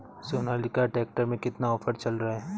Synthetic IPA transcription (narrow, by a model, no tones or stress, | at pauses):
soːnaːlɪkaʈeːk̚ʈəɾmẽkɪt̪naɔːfʰəɾt͡ʃɐlɾɐɦe